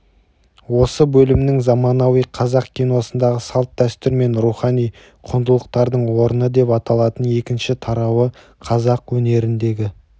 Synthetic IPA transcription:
wo̞səbɵlɪmɪnɪŋzɑmɑnɑwijqʰɑzɑqkʲʰijnosənd̪ɑʁəsɑlˠt̪̚d̪æst̪ɪɾme̞nɾuχɑnij | qʰʊnd̪əlˠəq̚t̪ɑɾd̪əɴwo̞ɾənəd̪e̞pɑt̪ɑlˠɑt̪əne̞kʲɪnʃɪt̪ʰɑɾɑwə | qʰɑzɑqwɵne̞ɾɪnd̪e̞ɡʲɪ

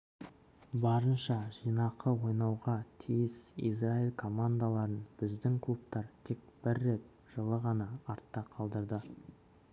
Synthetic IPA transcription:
bɑɾənʃɑʒijnɑqəwo̞jnɑwʁɑt̪ʰijɪsḭzrailʲkʰo̞mand̪alˠɑɾənb̥ɪzd̪ɪŋkʰlˠup̚t̪ɑɾt̪ʰe̞k̚b̥ɪɾːe̞t̪̚ | ʒ̥əlˠəʁɑnɑːɾt̪ːɑqʰɑlˠd̪əɾd̪ə

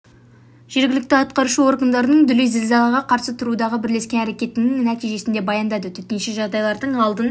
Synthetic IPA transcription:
ʒ̥e̞ɾɡʲɪlɪk̚t̪ɪɑt̪̚qɑɾuʃəo̞rɡənd̪ɑɾənəɴd̪ʏlejzɪlzɑlˠɑʁɑqʰɑɾsət̪ʰʊɾud̪ɑʁəbɪɾle̞skʲe̞næɾe̞kʲe̞t̪ɪnɪŋnæt̪ijʒe̞sɪnd̪e̞bɑjɑnd̪ɑd̪ət̪ʰʏt̪enʃeʒɑʁd̪ɑjlˠɑɾd̪əɴɑlˠd̪ən

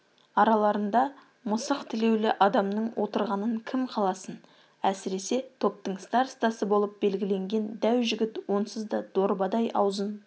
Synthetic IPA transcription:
ɑɾɑlˠɑɾənd̪ɑ | mʊsəqt̪ʰɪle̞wlɪʔɑd̪ɑmnəɴwʔo̞t̪əɾʁɑnəɴkʲʰɪmqʰɑlˠɑsən | æsɪɾe̞se̞t̪ʰo̞p̚t̪əɴst̪ɑɾst̪ɑsəbo̞lˠəp̚be̞lɡʲɪle̞ŋɡʲe̞nd̪æwʒɪɡʲɪt̪wo̞nsəzd̪ɑd̪̥oɾbɑd̪ɑjʔɑ̰wzən

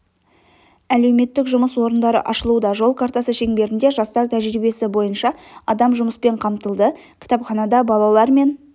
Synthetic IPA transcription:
æle̞wme̞t̪ːɪkʒʊməswo̞ɾənd̪ɑɾə̰ʔɑʃəlˠud̪ɑʒo̞lˠkʰaɾt̪ɑsəʃe̞ŋbe̞ɾɪnd̪e̞ʒɑst̪ɑɾt̪ʰæʒɾijbe̞sɪbo̞jənʃɑɑd̪ɑmʒʊməspe̞ɴqʰɑmt̪əlˠd̪ə | kʲʰɪ̥t̪ɑpχɑnɑd̪ɑbɑlˠɑlˠɑɾme̞n

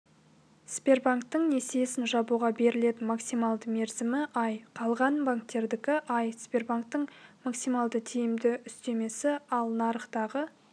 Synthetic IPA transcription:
spʲe̞rbaŋk̚t̪ːəɴnesejsɪnʒɑbuʁɑbe̞ɾɪle̞t̪ɪnmaksijmɑlˠd̪əme̞ɾzɪmɪʔɑjqʰɑlˠʁɑnbaŋk̚t̪ːe̞ɾd̪ɪkʲɪʔɑjspʲe̞rbaŋk̚t̪əɴmaksijmɑlˠd̪ət̪ʰijɪmd̪ɪʏst̪e̞me̞sɪɑlˠnɑɾəχt̪ɑʁə

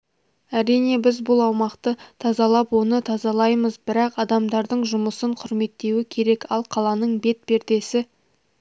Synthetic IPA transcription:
æɾijne̞bɪzbʊlˠɑwmɑqt̪ət̪ʰɑzɑlˠɑpwo̞nət̪ʰɑzɑlˠɑjməzbɪɾɑqɑd̪ɑmd̪ɑɾd̪əɴʒʊməsəɴqʰʊɾme̞t̪ːe̞wɪkʲʰe̞ɾe̞kɑlˠqʰɑlˠɑnəɴbe̞t̪̚be̞ɾd̪e̞sɪ

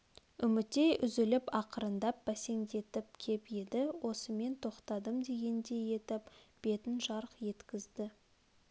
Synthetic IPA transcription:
ʏmɪt̪ːe̞jʔʏzɪlɪpɑqəɾənd̪ɑp̚b̥æse̞ŋd̪e̞t̪ɪp̚kʲʰe̞ped̪ɪwʔo̞səme̞nt̪ʰo̞qt̪ɑd̪əmd̪e̞ɡʲe̞nd̪e̞je̞t̪ɪpb̥e̞t̪ɪnʒɑɾəqje̞t̪kʲɪzd̪ɪ

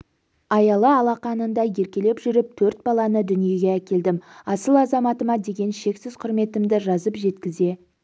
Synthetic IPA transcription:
ɑjɑlˠəɑlˠɑqɑnənd̪ɑje̞ɾkʲe̞le̞pʒʏɾɪp̚t̪ʰɵɾt̪̚bɑlˠɑnəd̪ʏnije̞ɡʲe̞ækʲe̞ld̪ɪmɑsəlˠɑzɑmɑt̪əmɑd̪e̞ɡʲe̞nʃe̞ksɪzqʰʊɾme̞t̪ɪmd̪ɪʒɑzəpʒe̞t̪kʲɪze̞

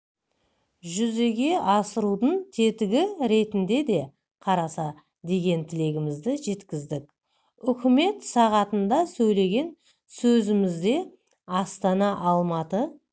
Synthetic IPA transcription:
ʒʏze̞ɡʲe̞ʔɑsəɾud̪əɴt̪ʰe̞t̪ɪɡʲɪɾe̞t̪ɪnd̪e̞d̪e̞ | qʰɑɾɑsɑ | d̪e̞ɡʲe̞nt̪ʰɪle̞ɡʲɪmɪzd̪ɪʒe̞t̪kʲɪzd̪ɪk | ʏkʲɪme̞t̪sɑʁɑt̪ənd̪ɑsɵjle̞ɡʲe̞n | sɵzɪmɪzd̪e̞ | ɑst̪ɑnɑʔɑlˠmɑt̪ə

